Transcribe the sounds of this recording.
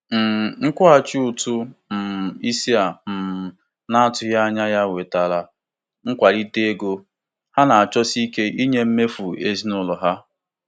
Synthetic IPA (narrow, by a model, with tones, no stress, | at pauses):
m̩˨ŋ̩˦kʷʊ˦a˨t͡ʃi˦u˨tu˦m̩˨i˦si˦a˨m̩˨ | na˦a˦tʊ˦ja˦a˦ɲa˦ja˦we˨ta˨la˦ | ŋ̩˦kʷa˨ɾi˦te˦ɡo˦ | ha˦na˨a˨t͡ʃɔ˦si˦ke˦ʔi˦ɲe˦m̩˦me˦fu˨e˦zi˦nʊ˦lɔ˨ɦa˦